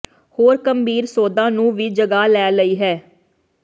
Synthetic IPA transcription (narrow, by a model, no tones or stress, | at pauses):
hoːɾkəmbʱiːɾsoːd̪ãːnũːʋiːd͡ʒəɡaːlɛːləiːɦɛː